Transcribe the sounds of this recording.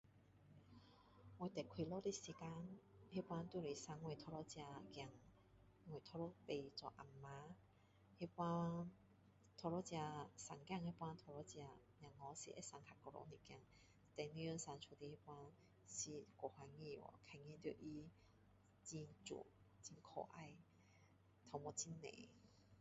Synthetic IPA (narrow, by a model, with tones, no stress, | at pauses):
we˧˦t̪ɛ˨kʰwi˧lɔ˦ɾi˦˧si˧ka˦nhi˦˥pwa˧˥nt̪u˥˧˨li˨˩sa˧ŋŋwe˧˨t̪ʰɔ˧lɔ˦t͡ɕja˧kja˧˩ŋ | ŋwe˨t̪ʰɔ˧lɔ˧˦pe˧˨t͡sɔ˨˧˨ʔa˨˩mːa˧˦ | hi˦˥pwa˧˥n | t̪ʰɔ˧lɔ˦t͡ɕja˧sa˨˩ŋkja˥˧ŋhi˧˥pwa˦nt̪ʰɔ˧lɔ˧˥t͡ɕja˧ | n˨ã˨˩ŋːɔ˧˦sḭ˧ʔḛ˦sa˧ŋkʰa˧˩kɔ˧lɔ̰˧˦ni˧˨kja˧ŋ | t̪ɛ˨˧nĩ˧˦jə˧nsa˧˦nt͡ʃʰu˨˧˩t̪i˧hi˦˥˦pwa˧n | si˧kʷɔ˨˩hwa˧ŋĩ˥˧˨wɔ̰˧˨kʰa˧˨ŋĩ˧t̪jo˧ʔi˦ | t͡ɕi˧nt͡sṵ˧˨˩ | t͡ɕi˧nkʰɔ̰˧˩ʔa˥˧˨j | t̪ʰɔ˧mɔ˧t͡ɕi˦nːḛ̃˨